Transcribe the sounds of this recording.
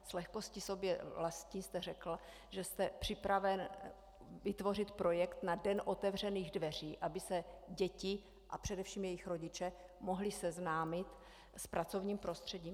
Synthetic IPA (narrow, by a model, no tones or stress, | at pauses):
slɛxko̞scɪso̞bjɛvlast̪ɲiːst̪ɛrɛkl̩ | ʒɛst̪ɛpr̝̥ɪpɾavɛn | vɪt̪vo̞rɪt̪pɾo̞jɛkt̪nadɛnʔo̞t̪ɛvr̝ɛniːɣdvɛr̝iːʔabɪsɛɟɛcɪ | ʔapr̝̥ɛdɛfʃiːmjɛjɪxɾo̞ɟɪt͡ʃɛmo̞ɦlɪsɛznaːmɪt̪ | spɾʔat͡so̞vɲiːmpɾo̞st̪r̥ɛɟiːm